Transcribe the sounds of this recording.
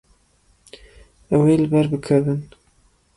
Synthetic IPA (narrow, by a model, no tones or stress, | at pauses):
ɛwelɨbɛɾbɨkʰɐvɨn